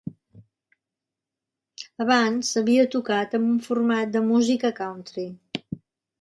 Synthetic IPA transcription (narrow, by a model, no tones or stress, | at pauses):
əβ̞ansːəβiət̪ukat̪əmbuɱfurmat̪̚d̪əmuzikəkawnt̪ɾi